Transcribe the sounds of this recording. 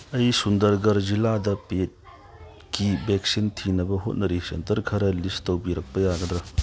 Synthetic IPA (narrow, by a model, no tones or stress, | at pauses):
ɐjsundɐɾɡɐɾziladɐpet̚ | kibek̚sintʰinɐbɐɦot̚nɐɾisḛntɐɾkʰɐɾɐlistɐwbiɾɐk̚pɐjaɡɐd̪ɾɐ